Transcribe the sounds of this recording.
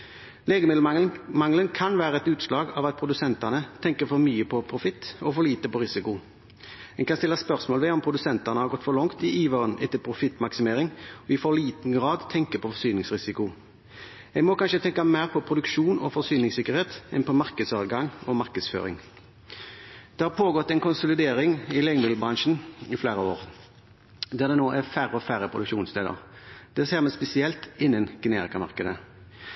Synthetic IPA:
leːɡəmɪd̪l̩ɑmɑŋlənkʰɑnʋæːʁəɛt̪ʉːt̪slɑːɡɑʋɑt̪̚pʰɾʊd̪ʉsɛnt̪ɑnət̪ʰɛŋkəɾfɔɾmyːəpʰɔpʰɾʊfɪt̪ːɔfɔɭiːt̪əpɔɾɪsɪkʊ | ɛɡkʰɑnst̪ɪlːɑspœʁsmoːlʋɛɔmpʰɾʊd̪ʉsɛnt̪ɑnəhɑɾɡɔt̪ːfɔɾlɔŋkt̪ɪʔiːʋɑːʁənɛt̪ːəlpʰɾʊfɪt̪ːmɑksɪmeːɾɪŋɔɪfɔʁliːt̪n̩ɡʁɑːd̪t̪ʰɛŋkəpʰɔfɔsyːnɪŋsʁɪsɪkʊ | ɛɡmɔkʰɑnʃət̪ʰɛŋkɑmæɪʁpʰɔpʰɾʊd̪ʉkʃuːnɔ̰fɔsyːnɪŋsɪkːəʁheːt̪ɛnpɔmɑʁkəd̪sɑːd̪ɡɑŋɔmɑʁkəd̪sfø̰ːɾɪ̰ŋ | d̪̥ɛhɑpʰoːɡɔt̪ːɛɪnkʊnsʊlɪd̪eːɾɪŋɪlɛŋmɪlbɾɑnʃn̩ɪfleːɾəoːɾ | d̪æɾd̪ɛnoːʔæfæɾəɔfæɾəpʰʁʊd̪ʉkʃuːnst̪ʰeːd̪ə̰ʁd̪̥ɛːseːʁmɛspɛsɪɛlt̪ɪnːənɡ̥ɛnḛːɾɪkɑmɑ̰ɾkəd̪ə

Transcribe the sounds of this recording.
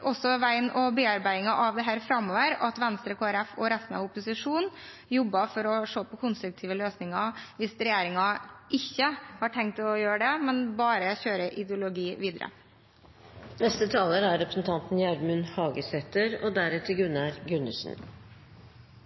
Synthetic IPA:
ʔɔsɔʋæɪnɔbeːɑɾbæɪɪŋɑʔɑʋd̪ɛɦæːɾfɾɑmːoːʋəɾɑt̪ʋɛnst̪ɾəkʰoːæɾɛfɔɾɛst̪n̩ɑ̰ʋʊpʊsɪʂuːnn | jɔbːɑfɔɾɔʂoːpʰɔkʰʊnst̪ɾʉk̚t̪ʰiːʋəløːsnɪŋɑʋɪsɾɛjeːɾɪŋɑʔɪçːəhɑːʈʰɛŋk̚t̪ɔjøːɾəɖɛmɛnbɑːɾəçøːɾəʔɪd̪jʊlʊɡiːʋiːd̪əɾə̰ | nɛst̪ət̪ʰɑːləɾæɾɾɛpɾə̥sn̩t̪ʰɑnt̪n̩jæɾmʉnhɑːɡəsɛt̪əɾɔd̪æɾɛt̪ʰɪɡʉnːɑɾɡʉnəsn̩

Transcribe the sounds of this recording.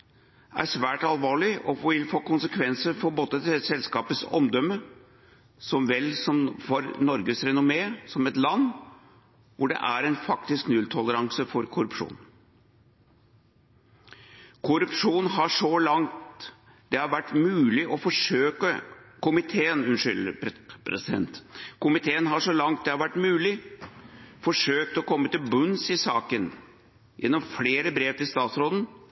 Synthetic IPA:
æ̰ʂʋæːʈɑlʋɑːɭɪʔɔʋɪlfoːkʊnsəkʰʋɛnsəɾfɔbɔt̪ːət̪ɛsɛlskɑːpət̪sɔ̰md̪ɔmə | sɔmʋɛlsɔmfɔɾnɔɾɡəsɾɛnʊmeːsɔmɛt̪lɑnː | ʋʊɖɛ̰ʔæɾɛnfɑkt̪ɪsknʉlt̪ʰɔləɾɑŋsəfɔɾkʰʊɾʉpʂṵːn | kʰʊɾʉpʂuːnɦɑʂɔlɑŋt̪ | d̪̥ɛhɑɾʋæʈːmʉːlɪʔɔfɔʂøːkəkʊmɪt̪ʰeːənʉnʂʏlə̰ɾpʰɾɛ̰sɪd̪ɛ̰nt̪kʊmɪt̪ʰeːənɦɑʂɔlɑŋt̪̚d̪ɛhɑɾʋæʈːmʉːlɪ | fɔʂøːk̚t̪ɔkʰɔmːət̪ɪlbʉnsɪsɑːkən | jʔɛ̰nːɔmfleːɾəbɾeːʋt̪ɪlst̪ɑːt̪sɾoːd̪n̩

